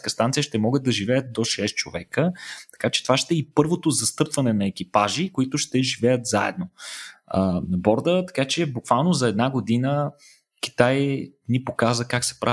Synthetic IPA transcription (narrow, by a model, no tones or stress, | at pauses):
kəst̪ant̪sijəʃt̪ɛmɔɡət̪̚ɐʒivɛjət̪̚d̪oʃɛst͡ʃo̰vɛkət̪ɐ̥kat͡ʃɛ̥t̪ovaʃt̪ɛipɤɾvot̪ozɐst̪ɤpvɐnɛnɐɛk̟ipaʒikoit̪ʊʃt̪ɛʒivɛjət̪za̰ɛ̰d̪̚noənɐbɔɾd̪ət̪ɐ̥kat͡ʃɛbukv̥alˠnozɐɛd̪naɡod̪inə | k̟ʲi̥t̪ajnipokazvəkaksɛ̥pɾa